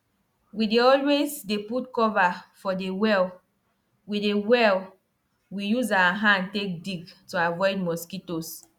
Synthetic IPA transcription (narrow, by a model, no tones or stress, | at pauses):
wideɔlwezdeputkɔvafɔdewɛl | widewɛl | wijuzawaɦãndtek̚diɡtuavɔɪdmɔskitos